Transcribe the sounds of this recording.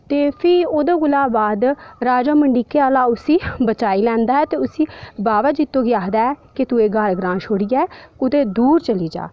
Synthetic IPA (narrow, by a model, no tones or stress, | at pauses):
t̪eːpʰɪoːd̪eːɡʊlaːbaːd̪ɾaːd͡ʒaːməɳɖiːkːeːaːlaːʊsiːbət͡ʃaːiːlɛ̃ːnd̪aːɛːt̪eːʊsiːbaːʋaːd͡ʒɪt̪ːõːɡɪjaːɦd̪aːɛːkɪt̪ueːɡəɾɡɾãːʃoːɽiːɛːʊt̪eːd̪uːɾt͡ʃəliːd͡ʒa̰ː